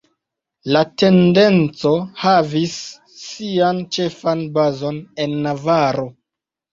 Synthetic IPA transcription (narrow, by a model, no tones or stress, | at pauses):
late̞nde̞nt͡so̞havisː | iant͡ʃe̞fanbazo̞ne̞nːavaɾo